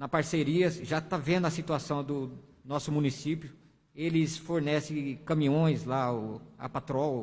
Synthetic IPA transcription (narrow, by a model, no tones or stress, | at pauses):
nɐpaɾseɾiɐsʒat̪avẽnd̪ʊɐsit̪uasɐ̃w̃d̪ʊ | nɔsʊmũnisipjʊ | elɪsfoɾnɛsɪ̃kɐ̃mĩõj̃zlaʊɐ̰pat̪ɾɔw